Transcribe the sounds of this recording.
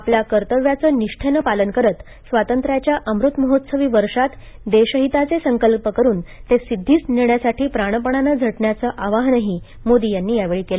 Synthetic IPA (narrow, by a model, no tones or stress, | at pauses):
apljakəɾt̪əʋjat͡səːniʂʈʰenəpalənkəɾət̪ | sʋat̪ənt̪ɾjat͡ɕjaʔəmɾut̪məɦot̪səʋiːʋəɾʂat̪d̪eɕəɦit̪at͡sesəŋkəlpəkəɾuːnt̪esid̪ʱːiːt͡sniɳjasaʈiːpɾaɽ̃əpəɳ̃anəd͡zʱəʈɳjat͡səʔaʋaɦnəɦiː | mod̪ijanːiːjaʋeɭiːkela